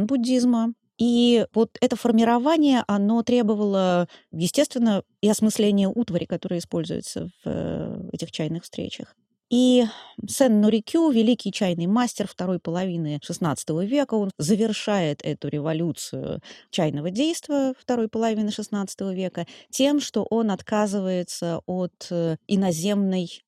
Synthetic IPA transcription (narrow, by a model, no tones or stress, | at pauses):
nbʊdʲːizmə | ivo̞t̪ɛt̪əfərmʲɪɾɐvanʲɪjəʔɐno̞t̪ɾʲe̞bəvəlˠəjɪsʲtʲe̞st̪vʲɪnːə | iɐsmɨslʲenʲɪjəʔut̪vəɾʲɪ̰kɐt̪o̞ɾɨjəɪspo̞lʲzʊ̰jʊ̰t̪sə̰v | ɛ̰tʲɪxt͡ɕæjnɨxfst̪ɾʲḛt͡ɕə̰x | isɛnːʊɾʲɪkʲʰuvʲɪlʲikʲɪjt͡ɕæjnɨjmasʲtʲɪrft̪ɐɾo̞jpəlˠɐvʲinɨʂɨsnat̪sə̥t̪əvəvʲe̞kəo̞nzəvʲɪrʂajɪt̪ʰɛt̪ʊɾʲɪvɐlʲut̪sɨjʊ̰t͡ɕæjnəvədʲejst̪vəft̪ɐɾo̞jpəlˠɐvʲinɨʂɨsnat̪sə̥t̪əvəvʲe̞kətʲemʂt̪o̞ʔo̞nɐt̪kazɨvəjɪt̪səot̪ɪnɐzʲe̞mnəj